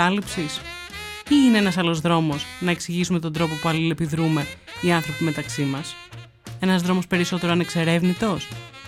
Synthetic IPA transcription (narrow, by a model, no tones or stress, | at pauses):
ɐlipsis | iine̞enɐsɐlo̞zðɾo̞mo̞snɐe̞ksiʝisume̞t̪o̞nd̪ɾo̞po̞puɐlile̞piðɾume̞iɐnθɾo̞pime̞t̪ɐksimɐs | e̞nɐzðɾo̞mo̞spe̞ɾiso̞t̪eɾoɐne̞kse̞ɾe̞vnit̪o̞s